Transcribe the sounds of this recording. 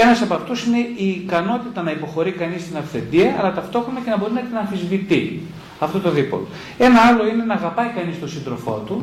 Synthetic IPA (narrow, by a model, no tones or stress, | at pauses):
e̞nɐsɐpɐft̪usine̞iːkɐno̞t̪it̪ɐnɐipo̞xo̞ɾikɐnist̪inɐfθe̞nd̪iɐːlɐt̪ɐft̪o̞xɾonɐce̞nɐbo̞ɾinɐeçtinɐnθizvit̪i | ɐft̪ot̪o̞ðipo̰l | e̞nɐɐlo̞ine̞nɐːɣɐpɐikɐnist̪o̞sind̪ɾo̞fo̞̰t̪u